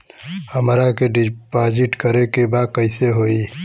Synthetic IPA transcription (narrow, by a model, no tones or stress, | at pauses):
həmɾakeɖpaːd͡ʒɪʈkəɾekebaːd̪̚kəɪseɦoːi